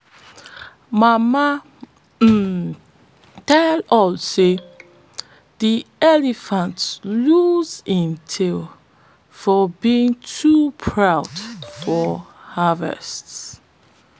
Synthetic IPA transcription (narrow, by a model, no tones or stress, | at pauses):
mama | tɛlɔlse | ð̥iɛlifãntsluzĩntʰil | fɔbiĩŋtʰupʰɹawdfɔhavɛ̰sts